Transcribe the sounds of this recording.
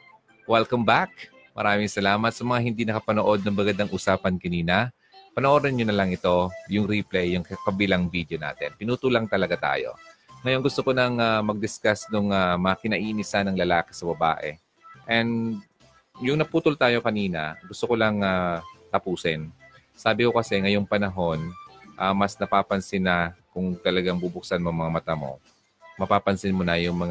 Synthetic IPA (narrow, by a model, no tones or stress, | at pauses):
wɛlkɐmbak̚ | mɐ̰ɾaːmɪŋsɐlaːmɐt̪̚sɐmɐŋaɦɪnd̪inɐkɐpɐnoʔo̞d̪̚nɐŋbɐɡɐd̪aŋʔusaːpɐnkɐniːnɐ | pɐnoʔoːdɐnɲonɐlɐŋɪt̪o̞jʊŋɾiplɛjːʊŋkkɐbilaŋvid̪jona̰ːt̪ɛnpɪnuːt̪ulɐŋt̪ɐlɐɡat̪a̰ːjo̞̰ŋɐjo̞nɡʊst̪okonɐŋamɐɡ̚d̪ɪskasnʊŋamɐɐkɪnɐʔiːnɪsanɐŋlɐlaːkɪ̥sɐbɐba̰ːʔɛ̰ | ʔɛnd̪ | jʊŋnɐpuːt̪olt̪aːjo̞kɐniːnɐ̰ɡʊst̪oko̞lɐŋat̪ɐpuːsɪn | saːbɪko̞kɐsɛŋɐjoŋpɐnɐɦo̞nʔamɐsnɐpaːpɐnsɪnɐkʊŋt̪ɐlɐɡaŋbubʊk̚sanmomɐŋamɐt̪amo̞̰ | mɐpaːpɐnsɪnmʊnɐjʊŋmɐŋ